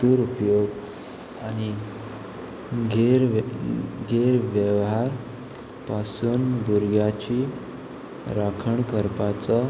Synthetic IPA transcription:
uːɾupjoɡ | añi | ɡʱeɾ | ɡʱeɾʋjəʋɦaɾ | pasuːnbuɾɡjat͡ɕiː | ɾakʰəɳkəɾpat͡sa

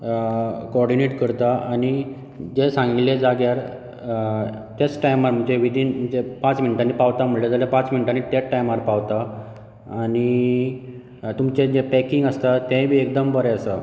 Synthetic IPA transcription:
koɔɖineʈkəɾt̪aañi | d͡ʑesãŋɡiled͡zaɡjaɾ | ʈ̪et͡sʈajmaɾm̤əɳd͡ʑeʋid̪ʱiːnm̤əɳd͡ʑepãt͡sminiʈanipaʋt̪am̤əɭled͡zaljapãt͡sminiʈaniʈ̪eʈːajmaɾpawt̪aː | ni | t̪umt͡ɕed͡ʑepɛkiŋɡəst̪at̪ẽbʱiːek̚d̪əmbəɾɛəsa

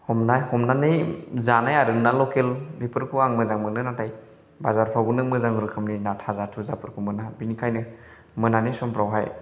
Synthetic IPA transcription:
hɔmnajhɔmnanɯjzanajaɾɯŋnalɔkelbipɯɾkʰuaŋmɯzaŋmɯnɯnataj | bazaɾpʰawɡunɯmɯzaŋɯɾɯkʰɯmninatʰazatʰuzapʰɯɾkʰumɯnabinikʰajnɯ | mɯnanɯjsɔmpʰɾawɦaj

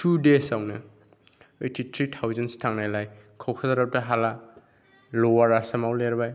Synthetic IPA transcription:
tʰudesawnɐ | ejtʰitʰɾitʰawzanstʰaŋnajlaj | kʰawkʰazaɾap̚taɦala | lowaɾasɐmawleɾbaj

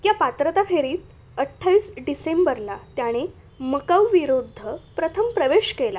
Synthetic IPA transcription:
japat̪ɾət̪akʰeɾiːt̪̚ | əʈʰːaʋiːsɖisembəɾlat̪jaɽ̃e | məkəʋʋiɾud̪ʱːəpɾət̪ʰəmpɾəʋeɕkela̰

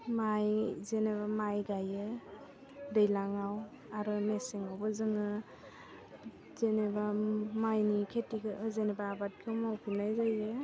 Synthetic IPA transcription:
majzenebamajɡajɯ | dejlaŋaw | aɾɯmeseŋawbɯzɯŋɯ | zenebamajnikʰetikɯzenebaːbat̚kʰɯmawkʰunajzajɯ

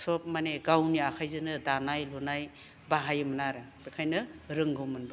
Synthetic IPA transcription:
sɔp̚maneɡawniakʰajzɯnɯdanajlunaj | baɦajɯmnaɾɯ | b̥ekʰajnɯɾɯŋɡʱɯwmɯnbɯ

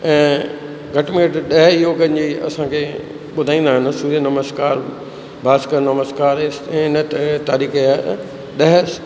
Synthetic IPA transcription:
ɛ̃ː | ɡʱɐʈmeʈɗɐɦjoːɡəɲd͡ʑiːɐ̰sãːkʰeː | ɓʊd̪ʱaːĩːnd̪aːɦɪnɪ̆suːɾiənɐməskaːɾ | bʱaːskəɾnɐməst̪kaːɾɪsɪnət̪aːɾiːkea | ɗɐɦə

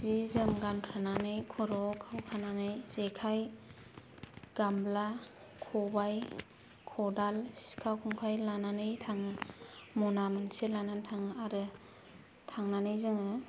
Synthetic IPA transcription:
zizɯmɡankʰɾananɯjkʰɔɾɔkʰawkʰananɯjz̥ekʰaj | ɡ̥ambla | kʰɔbaj | kʰɔdalsi̥skʰawkʰɔŋkʰajlananɯjtʰaŋɯmɔnamɯnselanantʰaŋɯaɾɯ | tʰaŋnanɯjzɯŋɯ

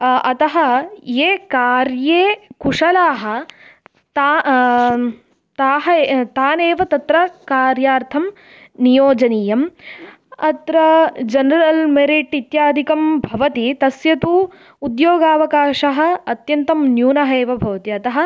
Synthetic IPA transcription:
ɐt̪ɐɦɐ̆jeːkaːɾjeːkuʂɐlaːɦɐ̆ | t̪a | t̪aːɦɐt̪aːneːʋɐt̪ɐt̪ɾɐkaːɾjaːɾt̪ʰɐm | nijoːd͡ʒɐniːjɐm | ɐt̪ɾɐd͡ʒɐnɐɾɐlmeɾiʈit̪jaːd̪ʱikɐmbʱɐʋɐt̪it̪ɐsjɐt̪u | ud̪joːɡaːʋɐkaːʃɐɦɐ̆ɐt̪jɐnt̪ɐmnjuːnɐɦɐeːʋɐbʱɐʋɐt̪iɐt̪ɐɦɐ̆

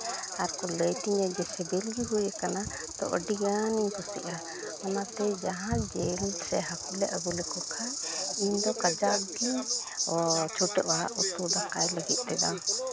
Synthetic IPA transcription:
aɾkɔləjt̪iɲad͡ʒɛsɛbɛlɡiɦujakana | t̪ɔ̰ʔɔ̰ɖiɡaniɲpusḭʔa | ɔnat̪ɛd͡ʒaɦãd͡ʒɛlsɛɦakulɛʔabulɛkɔkʰajiɲd̪ɔkad͡ʒaɡi | ɔt͡ʃʰuʈɛʔwaaʔut̪ud̪akajləɡit̪̚ˀt̪ɛd̪a̰m

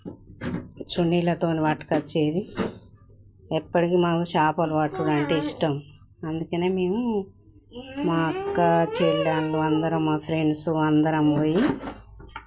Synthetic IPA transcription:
t͡ʃuɳːiːlɐt̪oːniʋaːʈːkɐt͡ʃeːd̪i | ɛpːɐʈikiːmaːkuʃaːpɐlʋaːʈːulaːɳʈeiʂʈɐm | ɐnd̪ukɐneːme̞ːmu | maːkːat͡ʃeːlːaːɳɖuɐnd̪ɐɾɐmmaːpʰɾeɳɖsuɐnd̪ɐɾɐmoːji

